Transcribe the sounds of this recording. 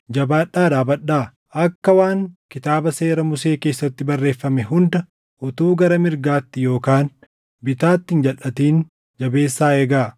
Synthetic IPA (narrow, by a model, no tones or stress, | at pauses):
d͡ʒɐbaːᶑːaːd̪aːbɐᶑːaː | ɐkːɐwaːŋkɪt̪aːbɐse̞ːɾɐmʊse̞ːke̞ːsːɐt̪ːɪbɐrːe̞ːfːɐmɛɦʊnd̪ɐ | ʔɔt̪uːɡɐɾɐmɪɾɡaːt̪ːɪjo̞ːkaːn | bɪt̪aːt̪ːɪnd͡ʒɐlʔɐt̪iːn | d͡ʒɐbe̞ːsːaːeːɡaː